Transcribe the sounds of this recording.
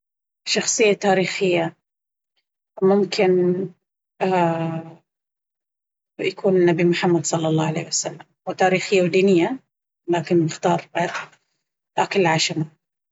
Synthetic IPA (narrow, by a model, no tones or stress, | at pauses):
ʃɑxsˤɨjːat̪aːɾiːxɪjːa | mʊmkʰɪn | jakʰuːnɪnːabimʊħamːad̪sˤɑlːɑlˤːɑːʕalḛːhwasalːamwɪt̪aːɾiːxɪjːawd̪iːnɪjːa | laːkɪnbɪxt̪ɑːɾˤ | ʔakɪlʕaʃama